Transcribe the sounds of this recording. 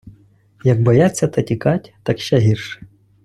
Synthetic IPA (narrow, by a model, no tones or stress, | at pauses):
jɐk̚bɔjat͡sʲːɐt̪ɐtʲikatʲt̪ɑkʃt͡ʃɛɦʲirʃ